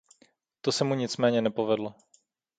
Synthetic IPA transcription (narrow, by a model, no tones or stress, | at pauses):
t̪osɛmuɲɪt͡smɛːɲɛnɛpo̞vɛdlo